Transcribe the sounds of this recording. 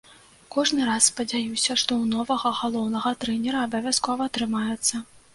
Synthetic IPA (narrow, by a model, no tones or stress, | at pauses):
kɔʐnɨɾasspɐd͡zʲajusʲɐʂt̪ɔwnɔvɐɣɐɣalˠɔwnɐɣɐt̪ɾɛnʲɛɾɐːbɐvʲaskɔvɐːt̪ɾɨmajɛt̪sːɐ